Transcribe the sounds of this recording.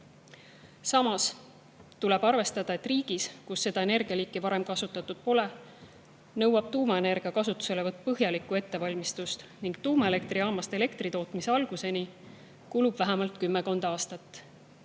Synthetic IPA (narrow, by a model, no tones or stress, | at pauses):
sɑmɑs | t̪ule̞b̥ɑrve̞st̪ɑd̪̥ɑe̞t̪ːriːɡ̥iskusːe̞d̪̥ɑe̞ne̞rɡ̥iɑliːkːˑivɑɾe̞mkɑsut̪ːˑɑt̪ːˑud̪̥̚po̞le̞ | nɤwɑb̥̚t̪uːmɑe̞ne̞rɡ̥iɑkɑsut̪ːˑu̥se̞levɤt̪̚ːˑpɤɦjɑlikːˑue̞t̪ːe̞vɑlʲmist̪ust̪niŋɡ̥t̪uːmɑele̞kt̪riɑːmɑst̪e̞le̞kt̪rit̪o̞ːt̪mise̞ɑlɡ̥use̞ni | kulub̥væɦæmɑlt̪kymːeko̞nd̪̥ɑɑːst̪ɑt̪ː